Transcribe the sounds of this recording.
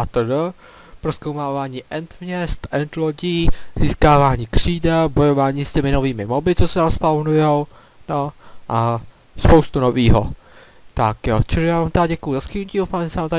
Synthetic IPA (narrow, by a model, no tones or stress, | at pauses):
ʔat̪ədə | pɾoskowmaːvaːɲiːʔɛnt̪mɲɛst̪ʔɛnt̪loɟiːz̥iːskaːvaːɲiːkr̝̥iːdɛbo̞jovaːɲiːscɛmɪnoviːmɪmobɪt͡sosɛnaːmspavnujɛw | noʔa | spowst̪uno̞viːɦo̰ | t̪akjot͡ʃɛʒɛjaːvaːmt̪aɟɛkujuzaskɪnuciːowfaːmʒɛsɛaːmt̪a